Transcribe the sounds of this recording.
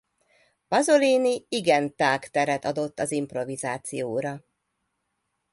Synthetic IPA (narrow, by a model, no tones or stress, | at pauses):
pɒzoliːniiɡɛnt̪aːkt̪ɛɾɛt̪ɒd̪o̞t̪ːɒzimpro̞vizaːt̪sijoːɾɒ